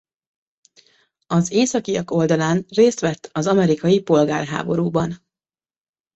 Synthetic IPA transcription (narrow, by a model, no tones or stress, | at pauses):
ɒzeːsɒkijɒko̞ld̪ɒlaːnreːst̪ʋɛt̪ːɒzɒmɛɾikɒjipo̞lɡaːrɦa̰ːbo̞ɾuːbɒn